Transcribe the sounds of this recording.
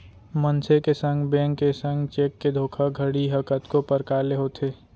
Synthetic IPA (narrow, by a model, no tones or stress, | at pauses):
mənsʰekesə̃ŋɡbẽːŋkːesə̃ŋɡt͡ʃeːkːed̪ʱoːkʰaɡʱəɽiɦəkət̪kopəɾkaːleɦot̪ʰeː